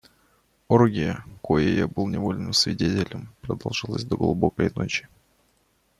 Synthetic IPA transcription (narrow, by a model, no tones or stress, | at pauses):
oɾɡʲɪjəkojɪja̰bɨlˠnʲɪvo̞lʲnɨmsvʲɪdʲetʲɪlʲəmpɾəd̪ɐlˠʐɨlˠəzʲd̪əɡlˠubo̞kəjno̞t͡ɕɪ̥